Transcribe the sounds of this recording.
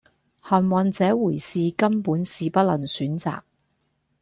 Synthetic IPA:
hɐ˨nwɐ˨nt͡sɛː˨˥wuː˨˩jsiː˨kɐ˥mpuː˨˥nsiː˨pɐ˥t̚lɐ˨˩ŋsyː˨˥nt͡sa̰ː˨k̚

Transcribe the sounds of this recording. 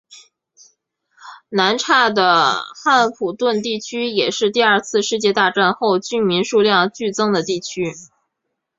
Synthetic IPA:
na˧˥nʈ͡ʂʰa˥˩d̪ə˩xa˥˩npʰu˨˩t̪wə˥˧nt̪i˥˩t͡ɕʰy˥jɛ˨˩ʂɻ̩˥˧t̪i˥˧ɐ˞˥˧t͡sʰɹ̩˥˧ʂɻ̩˥˧t͡ɕjɛ˥˧t̪a˥˧ʈ͡ʂa˥˧nxo˥˧ʊt͡ɕy˥˩nmi˧˥nʂu˥˧ljɑ˥˧ŋt͡ɕy˥˩t͡sɤ˥ŋd̪ə˨t̪i˥˩t͡ɕʰy˥

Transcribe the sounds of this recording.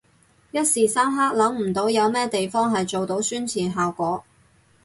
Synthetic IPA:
jɐ˥t̚siː˨saː˥mɦaː˥k̚lɐ˨˥ŋm̩˨˩t̪o˨˥wjɐ˨˧wmɛː˥t̪e˨jfɔː˥ŋɦɐ˨jt͡so˨wt̪o˨˥wsyː˥nt͡sʰiː˨˩nɦaː˨wkʷɔː˨˥

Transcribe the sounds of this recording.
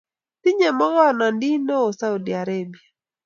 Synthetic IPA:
ti˦ɲɛ˨mɔ˦ɣɔ˦na˨ndi˦no˦o˨sa˦u˨di˨a˨ɾebi˨a˨

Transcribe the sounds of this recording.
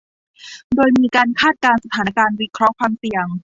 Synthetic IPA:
doː˧jmiː˧kaː˧nkʰaː˥˩t̪̚kaː˧nsa˧t̪ʰaː˩˦kaː˧nwi˦˥kʰɾɔ˦˥kʰwaː˧msi˨˩əŋ

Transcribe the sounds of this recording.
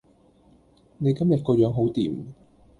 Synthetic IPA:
ne˨˧jkɐ˥mjɐ˨t̚kɔː˧jœː˨˧ŋɦo˨˥wt̪ḭː˨˩m

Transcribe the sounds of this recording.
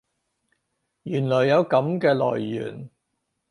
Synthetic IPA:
jyː˨˩nlɔː˨˩jːɐ˨˧wkɐ˨˥mkɛː˧lɔ̰ː˨˩jːy̰ː˨˩n

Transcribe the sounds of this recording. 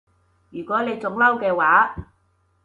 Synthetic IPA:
jyː˨˩kʷɔː˨˥ne˨˧jt͡sʊ˨˧˥ŋlɐ˥wkɛː˧waː˨˥

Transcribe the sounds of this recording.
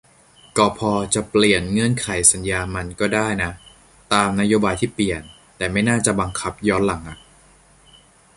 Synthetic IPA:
kɔː˧˩pʰɔː˧t͡ɕa˨˩pli˨˩ənŋɤ˧˥ənkʰa˩˦jsa˨˩˦njaː˧ma˧nkɔː˥˩daː˥˩jna˦˥ | t̪aː˧mna˦˥joː˧baː˧jt̪ʰiː˥˩pli˨˩ən | t̪ɛː˨˩ma˥˩jnaː˥˩t͡ɕa˨˩ba˧ŋkʰa˦˥p̚jɔː˦˥nla˩˦ŋʔa˨˩ʔ

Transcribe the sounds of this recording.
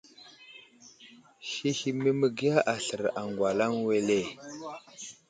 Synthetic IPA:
ʃi˦hi˨mə˦mə˨ɡi˦a˦ʔa˨ɬə˨ɾa˨ŋɡwa˨la˦ŋwe˦le˦˨

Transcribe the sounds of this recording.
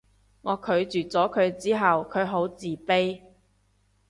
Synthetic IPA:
ŋɔː˨˧kʰɵ˨˧ɥt͡syː˨t͡sɔː˨˥kʰɵ˨˧ɥt͡siː˥ɦɐ˨wkʰɵ˨˧ɥɦo˨˥wt͡siː˨˩pe˥j

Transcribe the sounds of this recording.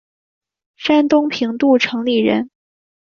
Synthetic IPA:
ʂa˥nt̪ʊ˥ŋpʰi˧˥ŋt̪u˥˩ʈ͡ʂʰɤ˧˥ŋli˥˩ɻə̰˧˥n

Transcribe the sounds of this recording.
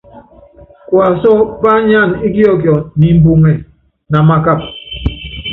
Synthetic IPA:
kwa˨sɔ˦ba˦ɲa˦˨ni˦ɡi˦ɔ˦kjɔ˨ni˨m̩˦bu˦ŋɛ˨ | na˨ma˦ka˦˨p̚

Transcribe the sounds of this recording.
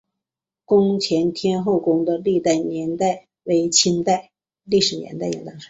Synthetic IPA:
kʊ˥ŋt͡ɕʰjɛ˧˥nt̪ʰjɛ˥nxo˥˩ʊkʊ˥ŋd̪ə˧li˥˧t̪a˥˩ɪnjɛ˧˥nt̪a˥˩ɪ | we˧˥ɪt͡ɕʰi˥nt̪a˥˧ɪ | li˥˩ʂɻ̩˨˩njɛ̰˧˥nt̪a˥˩ɪjɛ̰˨˩t̪ɑ˥ŋʂə˧˥˦

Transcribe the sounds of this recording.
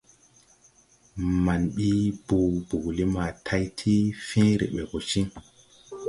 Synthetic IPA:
ma˨nɓi˦b̥u˨bu˨ɡli˦ma˨tʰa˧jtʰi˦fĩ˦ɾḛ˨ɓe˨ɡo˨t͡ʃi˦ŋ

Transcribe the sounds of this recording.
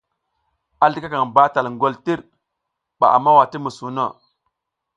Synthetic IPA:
a˨ɬi˦ka˦ka˨ŋba˦ta˨lŋɡo˦lti˦ɾ | ɓa̰˨ʔa˨mːa˦wa˨ti˦mu˨su˨no˦˨

